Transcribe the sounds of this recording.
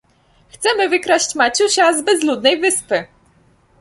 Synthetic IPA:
xt̪sɛmɘvɘkɾaɕt͡ɕmat͡ɕuɕazbɛzlud̪nɛjvɘspɘ

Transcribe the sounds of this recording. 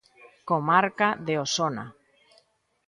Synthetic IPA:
komaɾkaðeosona̰

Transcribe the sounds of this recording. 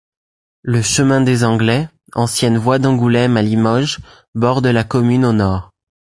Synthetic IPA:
ləʃəmɛ̃d̪ezɑ̃ɡlɛ | ɑ̃sjɛnvwad̪ɑ̃ɡulɛmalimɔʒ | bɔʁd̪əlakɔmynonɔːʁ

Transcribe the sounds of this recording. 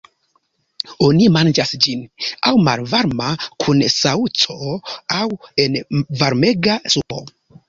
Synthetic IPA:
onimand͡ʒasd͡ʒinawma̰lvaɾmakʰunsaut͡so̞awe̞nvaɾme̞ɡasupo̞̰

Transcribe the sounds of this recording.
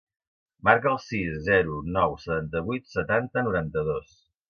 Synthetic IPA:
maɾkəəlˠsiszɛɾunɔwsət̪ant̪əβujt̪sət̪ant̪ənuɾant̪əðos

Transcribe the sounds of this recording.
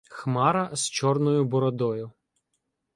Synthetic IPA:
xmɑɾɐst͡ʃɔrnɔjʊbɔɾɔd̪ɔjʊ

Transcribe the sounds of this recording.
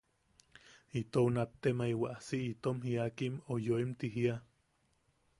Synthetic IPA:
it̪ounapt̪ːemaiwaʔasiʔit̪omɦiakimojoimt̪iɦia

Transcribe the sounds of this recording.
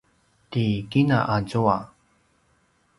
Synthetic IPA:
tikina̰ʔazua

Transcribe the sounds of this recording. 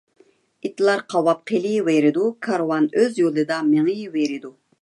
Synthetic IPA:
it̪lˠɑɾqʰɑwɑp̚qʰelˠiveɾɪd̪ukʰɑɾwɑnøzjolˠɨd̪ɑmeŋijiveɾɪd̪u

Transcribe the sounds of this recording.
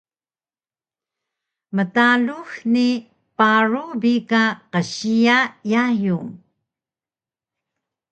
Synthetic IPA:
mətaluxni | paɹubikaqəɕiajajuŋ

